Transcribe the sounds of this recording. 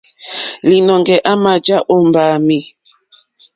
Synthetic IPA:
li˨nɔ˨ŋɡɛ˨ʔa˦ma˨d͡ʒa˦ʔo˦mbaː˨mi˨

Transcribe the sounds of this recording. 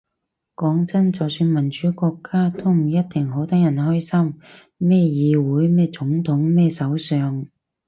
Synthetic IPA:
kɔː˨˥ŋt͡sɐ˥nt͡sɐ˨wsyː˧nmɐ˨˩nt͡ʃyː˨˥kɔː˧kʰːaː˥t̪ʊ˥m̩˨˩jɐ˥t̚t̪ɪ˨˩ŋɦo˨˥wt̪ɐ˥k̚jɐ˨˩nhɔː˥jsɐ˥m | mɛː˥˩jiː˨˧wuː˨˥jmɛː˥˩t͡sʊ˨˥ŋt̪ʰʊ˨˥ŋmɛː˥˧sɐ˨˥wsœː˨ŋ

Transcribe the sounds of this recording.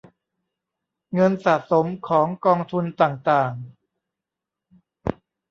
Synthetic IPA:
ŋɤ˧nsaː˨˩t̚so˩˦mkʰɔː˩˦ŋkɔː˧ŋt̪ʰu˧nt̪aː˨˩ŋt̪aː˨˩ŋ

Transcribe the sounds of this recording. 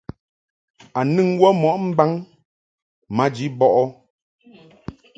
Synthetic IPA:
a˨nɨ˦ŋwɔ˦mɔ˨ʔm̩˦ba˦ŋ | ma˨˦d͡ʒi˨˦bɔ˦˨ʔɔ˦

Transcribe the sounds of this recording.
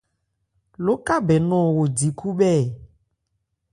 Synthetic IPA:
lo˦ka˦bɛ˨nɔ̃˨wo˨di˨kʰu˦ɓɛ˦˨

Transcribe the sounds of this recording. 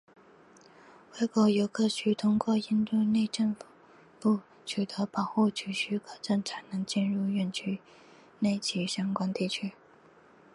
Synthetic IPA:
we˥˩ɪko˧˥˩ʊjo˧˥ʊkʰɤ˥˩ɕʰy˥t̪ʰʊ˥ŋkwɔ˥˧i˥nt̪we˥˧ɪne˥˧ɪʈ͡ʂə˥˧nf | pu˥˩ | t͡ɕʰy˨˩t̪ɤ˧˥pɑ˨˩ʊxu˥˩t͡ɕʰy˧˥ɕy˧˥kʰɤ˨˩ʈ͡ʂə˥˩nʈ͡ʂʰa˧˩ɪnɤ˧˥ŋt͡ɕɛ˥˧nɻu˥˧ɥɛ˥˧nt͡ɕʰy˥ | ne˥˩ɪt͡ɕʰi˧˥ɕjɑ˥ŋkwa˥nt̪i˥˩t͡ɕʰy˥

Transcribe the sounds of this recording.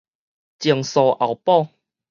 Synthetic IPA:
t͡ɕi˨˩əŋsɔ˨ʔa˨˩wpɔ˥˧

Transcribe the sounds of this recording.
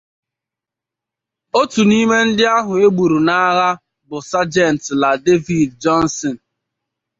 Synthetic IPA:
o˦tu˨ni˦me˦n̩˦dɪ˦a˦ɦʊ˨e˦ɡ͡bu˨ɾu˨na˦ɣa˦ | bʊ˨sa˦d͡ʒɛ˦˨n˨tla˨de˦vi˨dd͡ʒɔ˦n˦sɔ˨n̩˨

